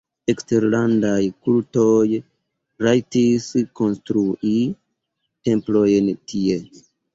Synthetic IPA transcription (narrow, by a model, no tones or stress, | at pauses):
ekste̞ɾlandajkulto̞j | ɾajtisko̞nstɾuʔi | te̞mplo̞jntʰie